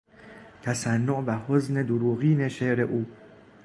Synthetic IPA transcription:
t̪ʰæsænːoʔbæhozne̞d̪oɾuːɣiːneʃeʔɾeʔuː

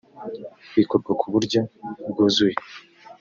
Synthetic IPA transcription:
wiːkoɾɡokʰuβuɾɟobɡuːzuje

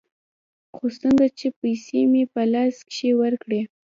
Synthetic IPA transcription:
xost̪ənd̪at͡ʃepajsemepəlɑskʃewəɾkɽe

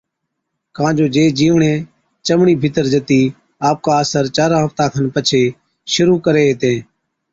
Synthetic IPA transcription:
kãːd͡ʒoːd͡ʒeːd͡ʒiːʋɳẽː | t͡ʃəmɳiːbʱɪt̪əɾd͡ʒət̪iː | aːp̚kaːəːsəɾt͡ʃaːɾãːɦəft̪ãːkʰənpət͡ʃʰeː | ʃʊɾuːkəɾeːɦːt̪ẽː

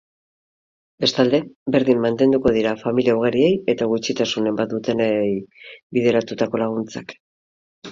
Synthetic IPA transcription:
be̞st̪ald̪e̞be̞ɾðimːant̪e̞nd̪uko̞ð̞iɾafamiliauɣ̞aɾie̞je̞t̪aɣ̞ut͡ʃit̪asune̞mbat̪̚d̪ut̪e̞nejbið̞e̞ɾat̪ut̪ako̞laɣ̞unt͡sak

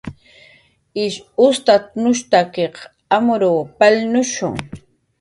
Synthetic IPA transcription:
ɪʃʊst̪at̪nʊʃt̪akeq | amʊɾoːpalnʊʃʊ̰ŋ

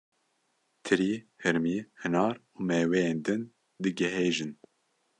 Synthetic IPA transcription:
t̪ʰɨɾiːhɨɾmiːhɨnɑːɾuːmɛːwejeːnd̪ɨn | d̪ɨɡɛɦeːʒɨn

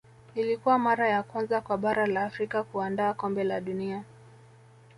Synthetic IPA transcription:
ilikuwamaɾajakwanzakwaɓaɾalaːfɾikakuandaːkɔmbɛlaɗunia

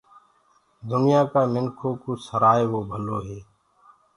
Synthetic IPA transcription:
d̪ʊnɪjãːkaːmɪnkʰoːkuːsəɾaːeːʋoːbʱəloːɦeː

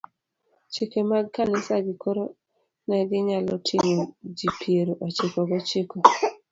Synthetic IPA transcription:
t͡ʃikemaɡkanɪsaɡɪkʰoɾo | nɛɡɪɲalɔtʰiŋod͡ʒipʰjeɾoʔat͡ʃɪkɔɡɔt͡ʃeko

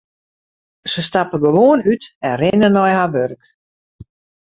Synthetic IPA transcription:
səstapəɡəʋoːənytɛnrɪnənɔjhaʋørk

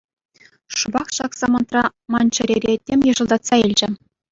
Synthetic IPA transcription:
ʂubɑχʃɑksɑmɑnt̪rɑmɑnt͡ɕɘ̆ɾʲeɾʲetʲːemʲjɤ̆ʐɤ̆lˠd̪ɑt̪sɑilʲd͡ʑɘ̆

